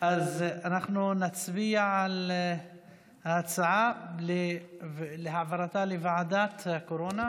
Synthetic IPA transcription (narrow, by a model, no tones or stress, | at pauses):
ʔazanaχnunat͡sbiaʕal | hat͡saʕalevleɦavaɾat̪alevaʕad̪at̪hakoɾona